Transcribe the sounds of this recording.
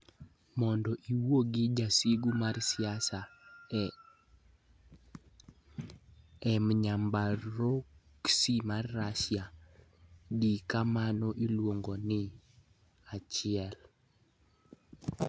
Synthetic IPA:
mɔndɔʔiwoɡɪd͡ʒasiɡumarsɪasa | ɛmɲambaɾoksimarːasja | dikamanɔʔilwoŋɡonɪ | at͡ʃɪɛl

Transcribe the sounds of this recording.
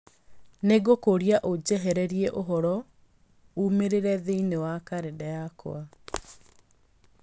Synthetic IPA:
neɡokoɾjaʔod͡ʑɛɦɛɾɛɾiɛʔoɦɔɾɔ | umeɾeɾɛðeinewakaɾedajako̰a

